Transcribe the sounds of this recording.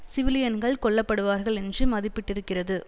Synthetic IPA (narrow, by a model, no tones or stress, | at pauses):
sɪʋɪlɪjɐnɡɐɭkɔɭːɐpːɐɽɯʋaːɾɣɐɭɛndrɯmɐðɪpːɪʈːɪɾɯkːɪrɐðɯ